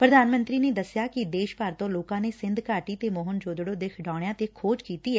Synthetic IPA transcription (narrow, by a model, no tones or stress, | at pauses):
pɾəd̪aːnmənt̪ɾiːneːd̪əsjaːkɪd̪eːʃpaːɾt̪õːloːkãːneːsɪnd̪ʱkaːʈiːt̪eːmoːɦənd͡ʒoːd̪ɽõːd̪ɪkʰɖãːɽjãːt̪eːkʰoːd͡ʒkiːt̪iːɛː